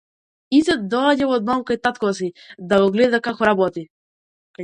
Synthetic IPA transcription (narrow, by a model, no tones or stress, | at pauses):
isɛd̪ɔaɟavɔd̪mamkait̪at̪kɔsid̪aɡɔɡlɛd̪akakɔɾabɔt̪i